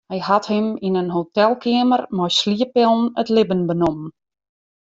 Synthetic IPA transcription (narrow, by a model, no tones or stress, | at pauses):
hɛjhathɪminənɦotɛlˠkʰɪəmərmɔjsliəpɪlˠn̩ətlɪbənbənomən